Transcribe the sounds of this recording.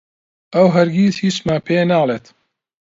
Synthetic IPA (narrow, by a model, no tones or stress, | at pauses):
ɐwɦɐɾɡiːt̪hiːt͡ʃmaːpʰenaːlˠeːt̪